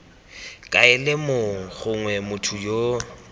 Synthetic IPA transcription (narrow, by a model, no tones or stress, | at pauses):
kʼaɪlɪmoŋ̩ɣʊŋwɛmʊtʰʊjo